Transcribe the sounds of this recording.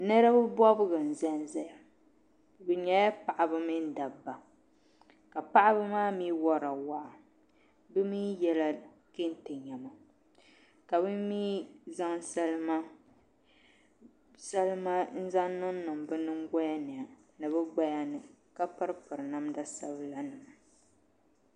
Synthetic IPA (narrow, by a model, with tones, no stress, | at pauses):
nɛ˦ɾa˦bɨ˦bɔ˦bɨ˦ɡɨ˨n̩˨zɛ˦n˦zɛ˦ja˨ | bɨ˨ɲɛ˨ja˦pa˨ʔa˨bɨ˦mi˦n̩˦da˨ba˨ | ka˨pa˦ʔa˦bɨ˦maː˦miː˦wɔ˦ɾa˨wa˦ʔa˨ | bɨ˦miː˦jɛ˦la˦ | ke˦n˦tɛ˨ɲa˨ma˨ | ka˨bɨ˦miː˦za˦ŋsa˦lma˦ | sa˦lɨ˦ma˦n̩˦za˦n˦nʊ˦n˦nɨ˨m˨bɨ˦nɨ˦ŋ˦ɡɔ˦ja˦nɨ˨a˨ | nɨ˨bɨ˦ɡ͡ba˦ja˦nɨ˨ka˦pɨ˦ɾɨ˦pɨ˨ɾɨ˨na˦mda˦sa˦bɨ˦la˦nɨ˨m˨